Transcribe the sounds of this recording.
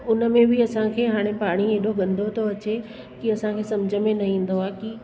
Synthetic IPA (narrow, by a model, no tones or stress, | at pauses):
ʊnə̆mẽbɪɐsãkʰeːɦaːɽ̃epaːɽ̃ieːɗoɡɐ̃nd̪ʱot̪ʰoɐt͡ɕe | kiɐsãkʰeːsɐmd͡ʑʱəmẽnɐɦĩːn̆d̪oaːki